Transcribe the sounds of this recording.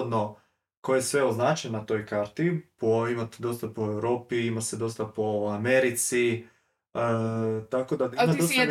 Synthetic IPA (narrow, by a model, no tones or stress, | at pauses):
d̪no | kojesʋe̞oznat͡ʃennat̪o̞jkaːɾt̪ipo̞imat̪d̪o̞st̪apo̞e̞wɾo̞ːpiimase̞d̪o̞st̪apo̞ameɾit̪si | ət̪ako̞d̪aimad̪ost̪